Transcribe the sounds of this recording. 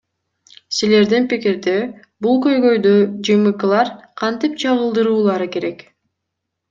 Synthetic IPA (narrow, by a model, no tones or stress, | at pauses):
sile̞ɾd̪inpikiɾd̪e | bulˠkø̞jɡø̞jd̪ød͡ʒɯmɯklˠɑɾqʰɑnt̪ip̚t͡ʃʰɑʁɯlˠd̪ɯɾuːlˠɑɾɯke̞ɾe̞k